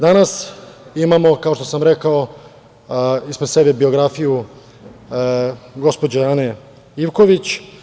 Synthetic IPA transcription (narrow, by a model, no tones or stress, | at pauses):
d̪anasimamo̞kao̞ʃt̪osamɾekao̞ | ispɾed̪se̞bebio̞ɡɾafiju | ɡo̞spod͡ʑeane | iʋko̞ʋit͡ɕ